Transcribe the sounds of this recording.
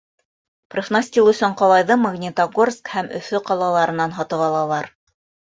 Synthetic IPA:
prʲefnɑsʲtʲilˠɵ̆sɵɴqɑlˠɑjðɤmaɣnʲit̪aɡorskhæmɵ̰̆θɵqɑlˠɑlˠɑɾɤ̆nɑnɦɑt̪ɤ̆βɑlˠɑlˠɑɾ

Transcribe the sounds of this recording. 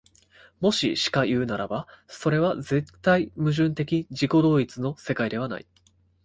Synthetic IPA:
mo̞ɕḭɕi̥kajɯ̟ːnaɾabaso̞ɾe̞βaze̞t̪ːaimɯ̟ʑɨ̃nt̪e̞kʲiʑiko̞d̪o̞ːit͡sɨno̞se̞kaid̪e̞βana̰ḭ

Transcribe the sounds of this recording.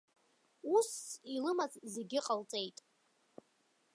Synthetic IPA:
usilɨmazze̞ɡʲɪqʼalt͡sʼe̞jtʼ

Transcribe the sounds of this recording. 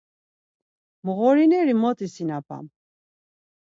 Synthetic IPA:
məɣɔɾinɛɾimɔt̪ʼisinapʰʼa̰m

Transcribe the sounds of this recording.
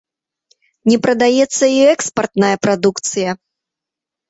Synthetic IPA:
nʲɛpɾɐd̪ajɛt̪sːɐiɛkspɐrt̪najɐpɾad̪ukt̪sɨjɐ

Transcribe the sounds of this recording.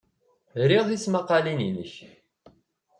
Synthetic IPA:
ɾiʁθismaqːɑlininəç

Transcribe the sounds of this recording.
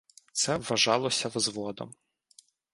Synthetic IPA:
t̪sɛʋɐʒɑlˠɔsʲɐʋzʋɔd̪ɔ̰m

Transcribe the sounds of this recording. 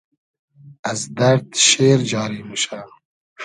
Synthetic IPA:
azd̪aɾd̪ʃeːɾd͡ʒɑːɾiːmuʃa

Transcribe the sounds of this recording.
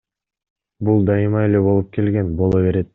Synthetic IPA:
bulˠd̪ɑjɯmɑe̞le̞bo̞lˠup̚kʰe̞lɡe̞nbo̞lˠoβe̞ɾe̞t̪̚

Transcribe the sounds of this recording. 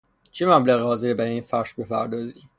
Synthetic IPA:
t͡ʃʰemæblæɣɦɒːzeɾebæɾiːnfæɾʃbe̞pʰæɾd̪ɒːziː

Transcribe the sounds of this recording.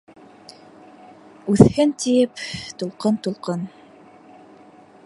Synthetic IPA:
ʉθhɘnt̪ijɘpt̪ulˠqɤnt̪ulˠqɤn

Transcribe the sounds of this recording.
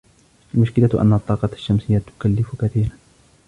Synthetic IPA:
ʔalmʊʃkɪlaʔa̰nːat̪ˤːɑːqɑʃːamsɪjːat̪ʊ̥kalːɪfkaθiːɾan

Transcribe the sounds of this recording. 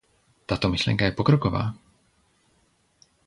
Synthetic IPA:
t̪at̪omɪʃlɛ̰ŋkajɛpokɾokova̰ː

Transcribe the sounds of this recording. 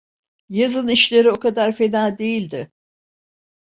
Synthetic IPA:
jazɯniʃlʲe̞ɾio̞kad̪aɾfe̞d̪aːd̪e̞jilʲd̪ɪ

